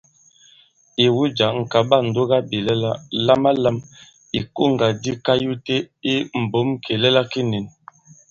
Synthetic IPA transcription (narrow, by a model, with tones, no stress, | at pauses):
i˨wu˦d͡ʒa˨ŋ̩˨ka˨ba˦˨n̩˨do˦ɡa˦bi˨lɛ˦la˦la˦ma˦la˦m | i˨ko˦˨ŋ˨ɡa˨di˦ka˦ju˦te˦i˦m̩˨bo˨˦mkʰe˨lɛ˦la˦ki˦ni˨n